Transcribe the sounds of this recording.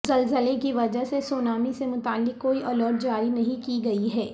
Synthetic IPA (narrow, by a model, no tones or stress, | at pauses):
zɐlzəlekiʋɐd͡ʒəɦsesoːnaːmisemʊt̪aːlːɪkːoːiʔɐlɔːʈ̚d͡ʒaːɾinɐɦĩkiɡɐiɦɛː